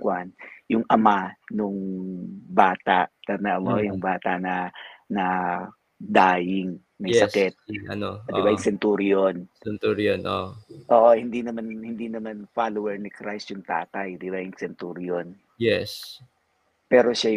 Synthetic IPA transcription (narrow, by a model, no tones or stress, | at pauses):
kwanjʊŋʔɐmanʊŋ | baːt̪a̰ʔ̪ɐnɐʔɐmojʊŋbaːt̪aʔnɐnɐ | d̪aːjɪŋ | mɐjsɐskɛt̪̚ɐnodɪbajʊŋsɛnt̪uɾjonɛnt̪uɾjonʔo̰ʔoːʔohɪnd̪inɐmanhɪnd̪inɐmanfalowɛɹnɪkɾajsjʊŋt̪aːt̪ɐjd̪ɪbajʊŋsɛnt̪uɾjon | jɛs | pɛːɾo̞ʃaj